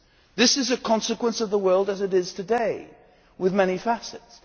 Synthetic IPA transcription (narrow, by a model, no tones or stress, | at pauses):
ðɪsɨzɨkʰɑ̃nsɨkwə̃nsʌvðəwɜ˞lˠdɨzɨɾɪz̥tʰɨdeɪ | wɨðmɛɾ̃ifæsɨts